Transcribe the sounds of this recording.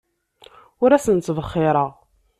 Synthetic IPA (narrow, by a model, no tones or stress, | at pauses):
ʊɾæsənt͡sːvəχːɪɾˤəʁ